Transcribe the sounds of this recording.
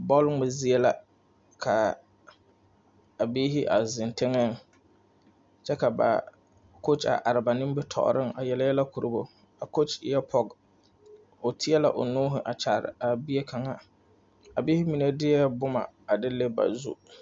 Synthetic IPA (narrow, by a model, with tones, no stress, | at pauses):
bɔ˦lŋɛ˨zi˦e˦la˨ | kʰa˨ | a˨biː˦ɦɪ˦ʔa̰˨zɪ˨ntɪ˦ŋɛ˦ŋ | t͡ʃɛ˦ka˨ba̰˨ | ko˦t͡ʃa̰˨ʔa˨ɾɪ˨ba˨nɪ˦m˦bɛ˦tʰɔ̰˨ʔʊ̰˨ɾɪ˦ŋa˨jɛ˨lɪ˦jɛ˦la˦ku˨ɾu˦bo˨ | a˨ko˦t͡ʃjɛ˦pʰɔ˦ɡ | o˨tʰɪ˦ɛ˦la˨ʔʊ̰˨nuː˦ɦʊ˨ʔa˨t͡ʃa˨ɾɪ̰˨a˨bi˦e˦kʰa˨ŋa˦ | a˨biː˦hɪ˦mi˨ne˦dɪ˦ɛ˦bʊ˦ma̰˨a˨dɪ˦le˦ba̰˨zṵ˦